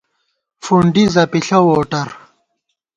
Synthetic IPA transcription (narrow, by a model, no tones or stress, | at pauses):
fuɳɖizɐpiɬɐwoːʈɐɾ